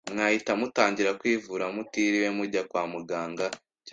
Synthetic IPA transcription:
mŋaːhitamutaːɲɟiɾakwiːvuɾamutiːɾiwemuɾɟakwaːmuɡaːŋɡa | c

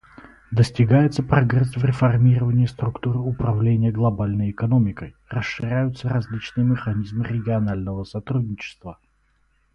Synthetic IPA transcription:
d̪əsʲtʲɪɡajɪt̪səpɾɐɡrɛsvɾʲɪfɐrmʲiɾəvənʲɪːst̪ɾʊkt̪uɾɨʊpɾɐvlʲenʲɪjəɡlˠɐbalʲnəjɪkɐnomʲɪkəj | rəsʂːɨɾʲæjʊt̪sərɐzʲlʲit͡ɕnɨjəmʲɪxɐnʲizmɨɾʲɪɡʲɪɐnalʲnəvəsɐt̪ɾud̚ʲnʲɪt͡ɕɪ̥st̪və

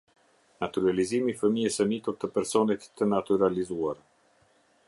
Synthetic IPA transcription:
nat̪yɾalizimifəmiɛsənit̪uɾt̪əpɛɾsɔnɛt̪t̪ːənat̪yɾalizuaɾ

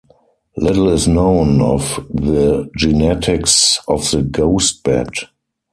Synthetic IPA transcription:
lɪtl̩ɪsnõʊ̃nɔfðəd͡ʒɪnɛtʰɪksɔfðəɡoʊst̚b̥ɛ̰d

